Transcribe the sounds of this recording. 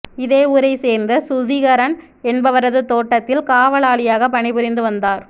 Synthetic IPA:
ɪðeːuːɾɐɪseːɾnd̪ɯsʊðɪɣɐɾɐn | ɛnbɐʋɐɾɐðɯt̪oːʈːɐt̪ːɪlkaːʋɐɭaːɭɪjaːɣɐpɐɳɪbɪɾɪnd̪ɯʋɐnd̪aːɾ

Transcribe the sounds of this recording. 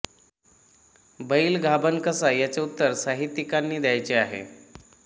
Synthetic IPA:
bəiːlɡʱabənkəsajat͡seut̪ːəɾsaɦit̪ːikanːiːd̪jajt͡seaɦḛ

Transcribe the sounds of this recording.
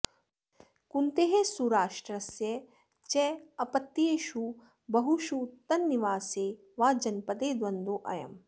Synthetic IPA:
kunt̪eɦesuɾaːʂʈɾɐsjɐ | t͡ʃɛɐpɐt̪ːieːʃu | bɐɦuʃut̪ɐnːiʋaːseː | ʋaːd͡ʒɐnpɐd̪eːd̪ʋɐnd̪oːʔɐ̰jɐ̰m

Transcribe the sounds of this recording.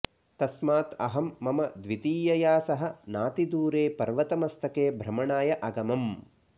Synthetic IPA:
t̪ɐsmaːt̪ɐ̰ɦɐmːɐmɐd̪ʋit̪iːjɐjaːsɐɦɐ̆naːt̪id̪uːɾeːpɐɾʋɐt̪ɐmɐst̪ɐkeːbʱɾɐmɐɳaːjɐʔɐɡɐmɐm

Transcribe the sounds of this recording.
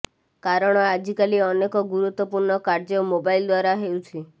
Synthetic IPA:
kaɾɔɽ̃ɔad͡ʒikaliɔnekɔɡuɾut̪wɔpuɾɳɔkaɾd͡ʒɔmobaild̪waɾaɦeut͡ʃʰi

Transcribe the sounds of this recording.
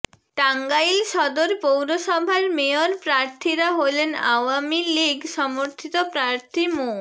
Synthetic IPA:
ʈaŋɡajlʃɔd̪oɾpowɾosɔbʱaɾmeɔɾpɾaɾt̪ʰiɾaɦolena̰wamiliɡʱsɔmoɾt̪ʰit̪ɔpɾaɾt̪ʰimo

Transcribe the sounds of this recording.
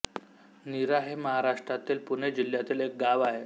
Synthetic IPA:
niɾaɦeməɦaɾaʂʈɾat̪iːlpuned͡ʑil̤jat̪iːlek̚ɡaʋaɦe

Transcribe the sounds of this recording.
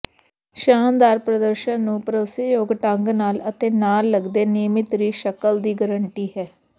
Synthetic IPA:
ʃaːnd̪aːɾpɾəd̪əɾʃənnũːpəɾoːsjoːɡʈəŋɡnaːlət̪eːnaːlːəɡd̪eːnɪmɪt̪ɾiːʃəkəld̪iːɡəɾəɳʈiːɦɛː

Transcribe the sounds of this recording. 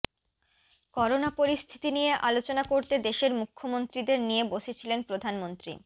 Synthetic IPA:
kɔɾonapoɾist̪ʰi̥t̪inijeʔalot͡ɕonakoɾt̪ed̪eʃeɾmukʰːomont̪ɾid̪eɾnijeboʃet͡ɕʰilenpɾod̪ʱanmont̪ɾḭ

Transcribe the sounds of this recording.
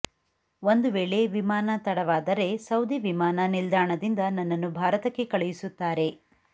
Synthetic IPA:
ond̪uʋeːɭe̞ʋimaːnɐt̪ɐɽɐʋaːd̪ɐɾe̞sɐwd̪iʋimaːnɐnild̪aːɳɐd̪ind̪ɐnɐnːɐnːubʱaːɾɐt̪ɐkːe̞kɐɭɛjisut̪ːaːɾe̞

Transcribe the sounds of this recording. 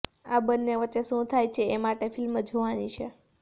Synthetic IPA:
abənːeʋət͡ʃ̪eʃũt̪ʰajt͡ʃʰeemaʈefilmd͡ʒʱoʋanit͡ʃʰe

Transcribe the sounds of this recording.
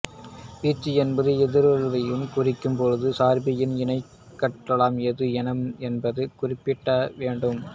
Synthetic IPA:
piːt͡ʃːiɛnbɐðɯɛðɪɾɐɻʋɐjɯmkʊrɪkːɯmpoɻðɯsaːɾbɪjɪnɪnɐɪ | kːɐʈːɐɭaːmɛðɯɛnɐmɛnbɐðɯkʊrɪpːɪʈːɐʋeːɳɖɯm

